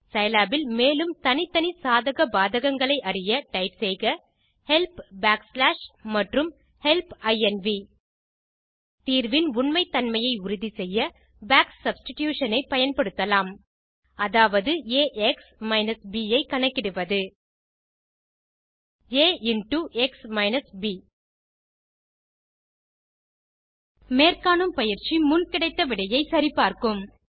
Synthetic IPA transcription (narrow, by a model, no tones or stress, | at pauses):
sɐjlaːbɪlmeːlɯmt̪ɐnɪt̪ːɐnɪsaːðɐɣɐbaːðɐɣɐŋɡɐɭɐɪʔɐrɪjɐʈɐɪpsɛɪɣɐ | hɛlpbaːkslaːʂmɐʈrɯm | hɛlpɐɪɛnʋi | t̪iːɾʋɪnʊɳmɐɪt̪ːɐnmɐjɐɪʊɾʊðisɛjːɐ | baːksɐbsʈɪʈjuːʂɐnɐɪpɐjɐnpɐɽɯt̪ːɐlaːm | ɐðaːʋɐðɯeːʔɛksmɐɪnɐsbiːjɐɪkɐɳɐkːɪɽɯʋɐðɯ | eːʔɪnʈuʔɛksmɐɪnɐsbiː | meːrkaːnɯmpɐjɪɾt͡ʃimʊnkɪɽɐɪt̪ːɐʋɪɽɐjɐɪsɐɾipaːɾkɯm